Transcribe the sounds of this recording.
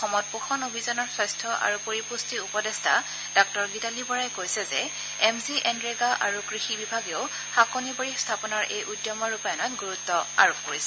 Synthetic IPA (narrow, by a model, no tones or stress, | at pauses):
xɔmɔt̚puxʰɔnobʱizɔnɔɹsɔjstʰɔʔa̰ɹupoɹipustiupɔdɛstʰa̰ | d̥ɔk̚tɔɹɡitalibɔɹajkojsɛzɛ | ɛmziʔɛnɹeɡaʔaɹukɹixibibʱaɡeʊ | xakoniboɹistʰapɔnɔɹʔejʔudjɔmɔɹupajɔnɔtɡuɹutːɔa̰ɹubʰkoɹisɛ